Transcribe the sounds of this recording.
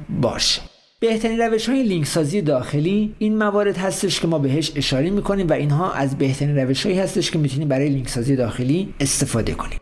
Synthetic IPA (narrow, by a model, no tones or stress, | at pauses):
bɒ̰ːʃe̥ | b̥e̞ht̪ʰæɾiːnræve̞ʃhɒːje̞liŋksɒːziːje̞d̪ɒːxe̞liːiːnmævɒːɾe̞d̪hæst̪e̞ʃkʰe̞mɒːbe̞ɦeʃe̞ʃɒːɾemiːkʰo̞niːmvæʔiːnɦɒːʔæzbe̞ht̪ʰæɾinræve̞ʃhɒːiːhæst̪e̞ʃkʰe̞miːt̪ʰuniːmbæɾɒːje̞liŋksɒːzije̞d̪ɒːxe̞liːest̪e̞fɒːd̪e̞̰kʰo̞niːm